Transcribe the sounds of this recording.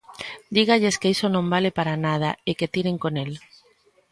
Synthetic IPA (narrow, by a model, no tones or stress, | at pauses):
d̪iɣaʎeskeisonõmbalepaɾanað̞aeket̪iɾeŋkonel